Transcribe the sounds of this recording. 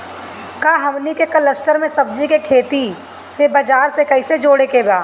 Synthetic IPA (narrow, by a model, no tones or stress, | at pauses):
kaːɦɐmnikekɐləsʈəɾmẽsɐb̚d͡ʒikekʰeːt̪i | sebɐd͡ʒaːɾsekɐɪsed͡ʒoːɽekebaː